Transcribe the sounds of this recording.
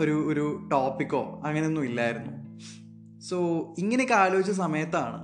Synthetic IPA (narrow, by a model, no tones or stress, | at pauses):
o̞ɾuoɾuʈoːpːikːo̞̰ːɐŋːɐneonːumilːaːjiɾunːu | soːiŋːɐnekːaːlo̞ːit͡ɕːɐs̬ɐmɐjɐt̪ːaːɳɨ̰